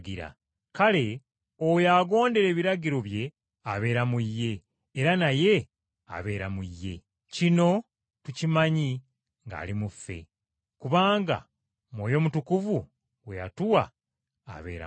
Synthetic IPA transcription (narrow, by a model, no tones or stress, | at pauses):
ɡiɾa̰ | kale̞ | ojaɡo̞ːnde̞ɾe̞ːβiɾaɡiɾo̞βje̞ | aβe̞ːɾamuijːe̞ː | ɾanaje̞ | a̰βe̞ːɾamuijːe̞̰ | cino̞ | tucimaɲi | ŋɡa̰ːlimufːe̞̰ | kuβaːŋɡa̰ | mwo̞ːjo̞mutukuvu | weja̰tuwa | a̰βe̞̰ːɾa̰